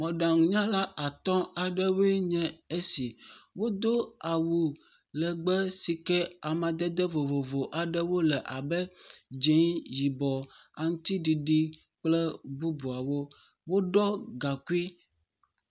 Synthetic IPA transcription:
mɔ̃˨ɖa˨ŋũ˨ɲã˦la˦ʔa˨t̪ɔ̃˦a˨ɖɛ˦we˦ɲɛ̃˦e˦si˨wo˦d̪o˦a˨wu˨ | lə˨ɡ͡bɛ˦si˨kɛ˦a˨mã˨d̪ɛ˦d̪ɛ˦vo˨vo˨vo˨ʔa˨ɖɛ˦wo˦lɛ˨ʔa˨bɛ˦d͡ʒe˨˦ji˨bɔ˨a˨ŋũ˦t̪i˦ɖi˨ɖi˦ | k͡plɛ˦bu˦bu˨a˨wo˦ | wo˦ɖɔ˦ɡa˨ku˦i˦

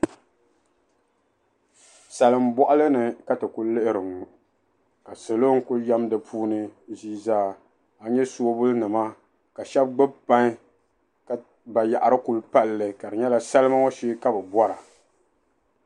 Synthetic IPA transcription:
sa˨lɨ˨m˦bɔ˦ʔa˦lɨ˦nɨ˨ka˦tɨ˨kʊ˦lɨ˦ʔɪ˦ɾɨ˨ŋ˨ | ka˨sɨ˨lo˦ŋ˦kʊ˦ja˦mdɨ˨pʰuː˦nɨ˦ziː˦zaː˦ | a˨ɲɛ˦so˦o˦bʊ˦lnɨ˨ma˦ | ka˨ʃɛ˦b̚ɡ͡bɨ˦bpa˦ɲ˦ | ka˨ | ba˨ja˨ʔa˨ɾɨ˦ku˨lpa˦lːɨ˨ka˨dɨ˨ɲɛ˦la˦sa˦lɨ˦ma˦ŋo˦ʃe˦ka˦bɨ˨bɔ˦ɾa˨

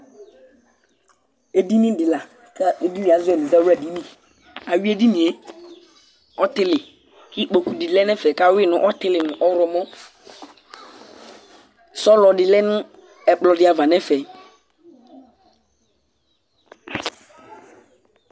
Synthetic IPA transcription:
e˨di˦nĩ˦dɪ˨la˨ | ka˦e˨di˦nĩ˨a˨zʊ˦ɛ˨nɪ̃˨za˦ɾa˨di˦nĩ˦ | a˨wi˦e˦di˦nĩ˨e˦ | ɔ˦tɪ˦lɪ˨ | kɪ˦k͡po˨ku˨di˨lɛ˦nɛ˦fɛ˨ka˦wɪ˦˨nʊ̰̃˨ʔɔ˦tɪ˦lɪ˨nʊ̃˨ʔɔ˦ɾɔ˨mɔ̃˦ | sɔ˦lɔ˨dɪ˨lɛ˦nʊ̃˦ | ɛ˨k͡plɔ˨dɪ˨˦a˨va˨nɛ̃˦fɛ˨

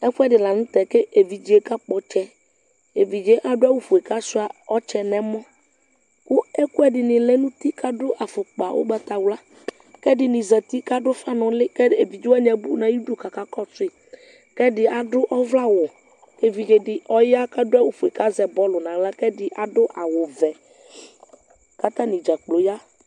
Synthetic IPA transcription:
ɛ˦ɸʊ˦ɛ˦ɖɪ˨la˨nʊ̃˦t̪ɛ˨ke˦ʔe˨vi˨d͡ʒi˦e˦ka˦k͡pɔ˦t͡ʃɛ˦ | e˨vi˨d͡ʒe˦ʔa˨ɖʊ˦a˦wu˦˨fu˨e˨ka˦sʊ˦a˨ɔ˦t͡ʃɛ˦nɛ̃˦mɔ̃˦ | kʊ˦ɛ˦kʊ˦ɛ˦ɖɪ˨nɪ̃˨lɛ˦nũ˦t̪i˦ka˦ɖʊ˦ʔa˨fʊ˨k͡pa˨wʔo̰˦bɛ˨t̪a˨wla˦ | kɛ˦ɖɪ˨nĩ˨zɛ˨t̪i˦ka˦ɖʊ˦fa˦nɔ̃˨lɪ˦kɛ˦e˨vi˨d͡ʒu˦a˦ɲɛ̃˨bu˦nã˨ju˦do˦ka˨ka˦kɔ˦t͡sʊ˦i˨ | kɛ˦dɪ˨a˨ɖʊ˦ʔɔ˦vla˦wʊ˨ | ke˦vi˨d͡ʒe˨ɖɪ˨ʔɔ˦ja˦ka˦ɖʊ˦a˦wu˦fu˨e˨ka˦zɛ˨bɔ˦lʊ˨nã˨la˦kɛ˦ɖɪ˦ʔa˨ɖʊ˦ʔa˨wʊ˨vɛ˨ | ka˦t̪ã˦nĩ˨d͡ʒa˨k͡plo˨ja˦

